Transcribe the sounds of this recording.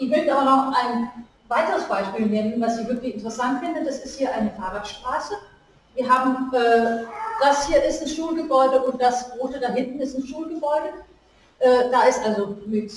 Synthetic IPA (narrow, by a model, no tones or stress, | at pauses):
ʔɪvɪldəaːbɐnɔχʔaɪn | vaɪtəʁəsb̥aɪʃpiːlnɛnəən̩vasiçvɪɐklɪçɪntəʁəsantfɪndədasɪsthiːɐʔaɪnəfaɐʁatʃtʁ̥aːsə | viːɐɦaːbm̩ʔɛːd̥ashiːɐʔɪstn̩sʃuːlɡəbɔʏdəʔʊnt̚d̥asbʁoːtədaɦɪntn̩ɪstn̩sʃuːlɡəbɔʏdə | ʔɛːd̥aɪstʔalzomɪt